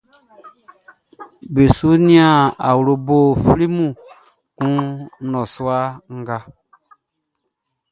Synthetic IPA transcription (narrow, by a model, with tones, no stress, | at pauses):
be˨su˦nĩ˦a˦˨a˨wɾo˨bo˦˨fɾi˦mũ˦˨ | kũ˦nɔ̃˨su˦a˦ŋ̩˦ɡa˦